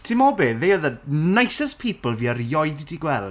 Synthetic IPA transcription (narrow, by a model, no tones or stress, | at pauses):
tʰimɔbeːðejəðənajsəspʰiːpəlˠviːəɾjɔjdidiɡwɛlˠ